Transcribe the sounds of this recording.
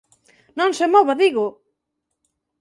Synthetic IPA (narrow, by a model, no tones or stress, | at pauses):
nõŋsemɔβaðiɣʊ